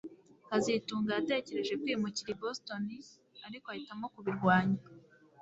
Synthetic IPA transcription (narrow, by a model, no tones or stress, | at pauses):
kazituːŋɡaate̞ːce̞ɾe̞ʒe̞kwiːmuciɾibosto̞ni | aɾikoahitamo̞kuβiɾɡwaːɲa